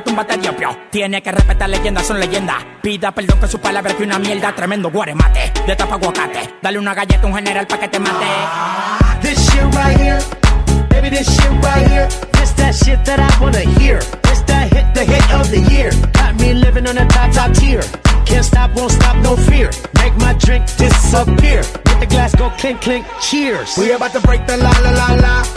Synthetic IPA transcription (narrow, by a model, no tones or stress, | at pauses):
t̪ũmbat̪eðjopjot̪jenekerespet̪aɾleʝẽnd̪asonleʝend̪a̰ | piðapeld̪õŋkesupalaβɾakeunamjeld̪at̪ɾemẽnd̪oɣwaɾema̰t̪ed̪et̪apaɣwokaɾt̪ḛd̪aleunaɣaʝet̪auŋheneɾalpaket̪emat̪e | ðɪsʃɪtbaɪhiɹmeɪbiðɪsʃɪp̚baɪhiɹðɪsðɨtʃɪt̪̚ðɨɾaɪwɑ̃nɨhiɹðɪsðɨhɪt̪̚ðɨɦɪɾʌvðɨjɪɹɡ̥ɑt̚milɪvɪ̃ŋə̃nðətʰɑpsathiɹ | kʰæ̃ntstɑp̚wõʊ̃nstɑp̚noʊfiɹmeɪk̚maɪdɹɪ̃ŋk̚d̥ɪsəpʰɪɹmeɪt̪̚ðɨɡlæsɡ̥oʊkʰl̥ɪ̃ŋkʰl̥ɪ̃ŋk̚t͡ʃʰɪɹz̥wiəbatubɹeɪk̚ðəlalalala